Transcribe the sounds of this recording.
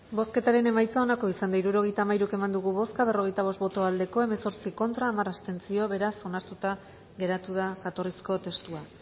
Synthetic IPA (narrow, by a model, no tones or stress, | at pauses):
bo̞ske̞t̪aɾe̞ne̞majt͡sao̞nako̞isand̪aiɾuɾo̞ɣ̞e̞jt̪aːmajɾuke̞mand̪uɣ̞uβo̞skaβ̞e̞ro̞ɣ̞e̞jt̪aβ̞o̞st̪bo̞t̪o̞ald̪e̞ko̞e̞me̞so̞ɾt͡siko̞nt̪ɾaːmarast̪e̞nt͡sio̞βe̞ɾaso̞naɾt̪ut̪a | ɣe̞ɾat̪uð̞aʝat̪o̞risko̞t̪e̞st̪ua